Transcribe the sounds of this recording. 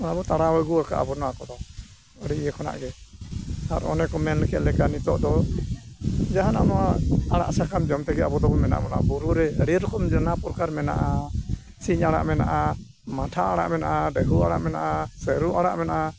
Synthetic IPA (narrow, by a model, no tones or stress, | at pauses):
ɔnabɔt̪aɽawɔɡuaka̰ʔa̰bɔnɔakɔd̪ɔ | ɔɽɛɛkʰɔna̰ʔɡɛ | ha̰ɾɔ̰nɛkɔmɛnkɛʔlɛkanit̪ɔʔd̪ɔ | d͡ʒaɦanɔnɔwaaɽa̰ʔsakamd͡ʒɔmt̪ɛɡɛabɔd̪ɔbɔmɛna̰ʔmɔna̰buɾuɾɛɽiɾɔkɔmd͡ʒənapɔɾkaɾmɛna̰ʔa | siɲaɽa̰ʔmɛna̰ʔa | maʈʰaaɽa̰ʔmɛnaʔaɖɛɦuaɽa̰ʔmɛna̰ʔasəɾuʔaɽaʔmɛnaʔa